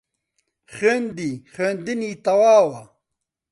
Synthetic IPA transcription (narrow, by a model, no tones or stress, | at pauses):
χend̪iχend̪iniːt̪ɐwaːwɐ